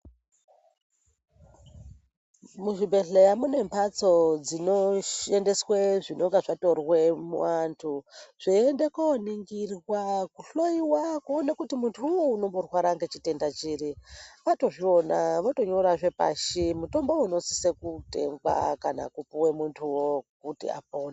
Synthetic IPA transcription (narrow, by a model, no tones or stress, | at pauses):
muʐibʱe̞ɬejamune̞mpʰat͡so̞d͡zino̞ʃende̞sweʐino̞ŋɡaʐato̞rwe̞mṵantʰuʐ̥iendekoniŋɡirwakuɬo̞jiwakuonakutimuntʰuwouno̞mborwaɾaŋɡe̞t͡ʃite̞ndat͡ʃiːɾiʋato̞ʐio̞naʋoto̞ɲo̞ɾaʐe̞pa̰ʃimuto̞mbo̞uno̞sisekute̞̰ŋɡwa̰kana̰kupuwemuntʰuwokutḭa̰poːna